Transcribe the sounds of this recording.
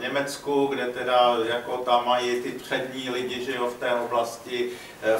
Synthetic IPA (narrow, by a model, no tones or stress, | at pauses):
ɲɛmɛt͡skuɡdɛt̪ɛdajako̞t̪amːajit̪ɪpr̝̥ɛdɲiːlɪɟɪʒɛoft̪ɛːʔoblascɪ